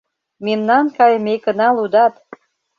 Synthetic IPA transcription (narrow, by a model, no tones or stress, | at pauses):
memnɑnkɑjəmekə̆nɑlud̪ɑt̪